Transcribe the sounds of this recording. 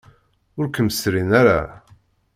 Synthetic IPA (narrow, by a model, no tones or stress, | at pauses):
ʊɾkəməsɾinaɾa̰